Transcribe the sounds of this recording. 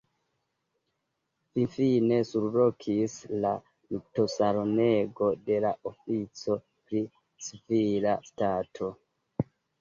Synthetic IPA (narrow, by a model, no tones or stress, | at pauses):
finfine̞suɾlokʰisla | mito̞saɾone̞ɡo̞de̞laʔofit͡so̞ | pɾi | sivilastatʰo̞